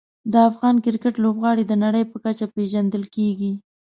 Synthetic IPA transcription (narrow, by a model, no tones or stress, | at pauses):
d̪əafɣɑnkɪɾkəʈlobɣɑɽid̪ənaɽəjpəkat͡ʃapeʒand̪əlkeɡi